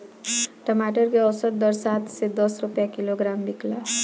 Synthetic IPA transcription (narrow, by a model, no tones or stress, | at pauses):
ʈəmaʈəɾkeʌwsəɾd̪ʌɾsat̪ʰsed̪ʌsɾupjakiloɡɾambikla